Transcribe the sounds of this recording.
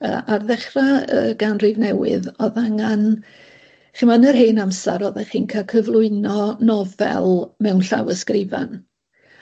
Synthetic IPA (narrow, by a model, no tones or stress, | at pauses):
ə̰ːʔarðɛχraə̰ɡ̥anrivnɛwɪ̰ðɔðaŋan | χimanərɦeːnamsa̰ɾɔðaχiːnkʰakʰəvlˠʊɨnɔnɔvɛ̰lˠmɛwnɬa̰wəskrɪva̰n